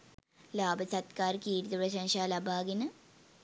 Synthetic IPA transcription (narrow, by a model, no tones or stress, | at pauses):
laːbɐsɐt̪kaːɾkiːɾid̪ɐpɾɐɕ̬ɐŋʂaːlɐbʱaːɡinɨ